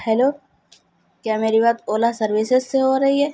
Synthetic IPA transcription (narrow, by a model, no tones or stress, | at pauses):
hɛloː | kjaːmeːɾibaːt̪oːlasɐɾwisezseɦoɾɐɦiɦɛː